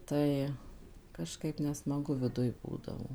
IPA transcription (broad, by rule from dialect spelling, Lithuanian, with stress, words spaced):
ˈtɐɪ kɐʃˈkɐɪp nʲɛsmɐˈɡʊ ʋʲɪˈdʊj ˈbuːdɐʋoː